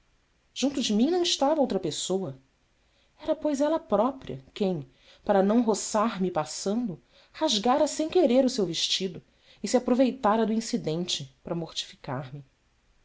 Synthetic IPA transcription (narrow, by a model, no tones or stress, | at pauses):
ʒ̥ũnt̪ʊd͡ʒɪmĩnɐ̃w̃ɪʃt̪avɐowt̪ɾɐpesowɐ | ɛɾɐpojzɛlɐpɾɔpɾiɐ̰kẽj̃ | paɾɐnɐ̃w̃ɦosaɾmipasɐ̃nd̪ʊ | haʒɡaɾɐsẽj̃keɾeɾʊsewveʃt͡ʃid̪ʊ | ɪsiapɾovejt̪aɾɐd̪ʊĩsid̪ẽnt͡ʃɪpɾɐmoχt͡ʃi̥fi̥kaɾmɪ